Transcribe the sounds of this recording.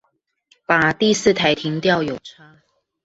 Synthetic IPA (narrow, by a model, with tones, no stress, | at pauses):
pa˨˩t̪i˥˧sɹ̩˥˨t̪ʰa˨˩ɪt̪ʰi˧˥ŋt̪jɑ˥˨ʊjo˨˩ʊʈ͡ʂʰa˦˥